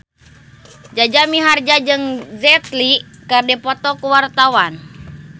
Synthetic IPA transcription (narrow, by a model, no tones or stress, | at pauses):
d͡ʒad͡ʒamiɦard͡ʒad͡ʒɨŋzɛt̪likɨrdipɔt̪ɔkuwart̪awan